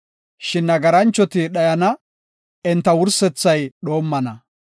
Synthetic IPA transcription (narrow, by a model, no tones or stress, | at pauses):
ʃɪnːɐɡɐɾɐnt͡ʃːɔt̪ɪɗɐjɐnɐ | ɛnt̪ːɐwʊɾsɛt͡sːɐjɗo̞ːmːɐnɐ